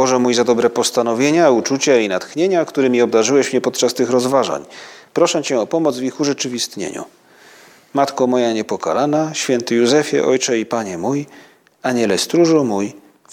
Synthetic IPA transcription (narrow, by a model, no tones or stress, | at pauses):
ɔʐɛmujzad̪ɔbɾɛpɔst̪anɔvʲjeɲaut͡ʂut͡ɕainat̪xɲeɲakt̪uɾɛmʲiɔb̚d̪aʐɘwɛɕmɲɛpɔt̪t͡ʂast̪ɘxɾɔzvaʐa̰ɲpɾɔʂɛt͡ɕɛɔpɔmɔd̪zvʲixuʐɛt͡ʂɘvʲist̪ɲḛɲṵ | mat̪kɔmɔjaɲɛpɔka̰lanaɕfʲjɛnt̪ɘjuzɛfʲjɛ̰ʔɔjt͡ʂɛipaɲɛmuj | aɲɛlɛst̪ɾuʐumuj